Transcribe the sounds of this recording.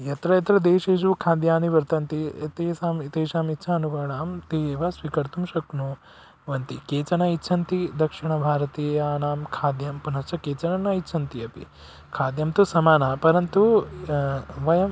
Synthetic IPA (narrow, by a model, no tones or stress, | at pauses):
jɐt̪ɾɐjɐt̪ɾɐd̪eːʃeːʃukʰaːd̪jaːniʋɐɾt̪ɐnt̪iɐt̪eːsaːmit̪eːʃaːmitːʃʰaːɐnuʋɐːɳaːmt̪iːeːʋɐsʋikɐɾt̪umʃɐknu | ʋɐnt̪ikeːt͡ʃɐnɐitːʃʰɐnt̪id̪ɐkʂiɳɐbʱaːɾɐt̪eːjaːnaːmkʰaːd̪jɐmpunɐɾt͡ʃʰɐkeːt͡ʃɐnɐnːɐitːt͡ʃʰɐnt̪iɐpḭ | kʰaːd̪jɐmt̪usɐmaːnaːpɐɾɐnt̪u | ʋɐjɐm